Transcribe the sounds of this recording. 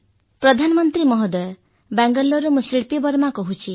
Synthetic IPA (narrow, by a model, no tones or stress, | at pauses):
pɾɔd̪ʱanɔmɔnt̪ɾimɔɦɔd̪ɔ | baŋɡɔlːɔɾumusɾiɭpibɔɾmakɔɦut͡ʃʰi